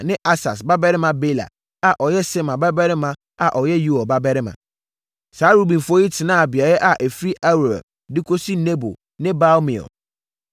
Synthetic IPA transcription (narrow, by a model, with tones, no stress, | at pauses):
nɪ̃˦ʔa˦sa̰˨s̬ba˦bɛ˦ɾɪ˦mã˨be˦la̰˨ | a˨ʔɔ˨jɛ˦sɪ˦mã˨ba˦bɛ˦ɾɪ˦mã˦ | a˨ʔɔ˨jɛ˦ju˦ɔ˨ba˦bɛ˦ɾɪ˦mã̰˨ | saː˨˦ɾu˦bĩ˨n˨fʊ˦ɔ˦ji˦tʰɪ˨nã˦˨bi˨a˨jɛ˦ʔa˨ʔe˨fɾi˦ʔa˦wɾa̰˨ | dɪ˦kʰo˦si˦ne˦bo̰˨ | nɪ̃˦ba˦lmĩ˨ɔ̰˨l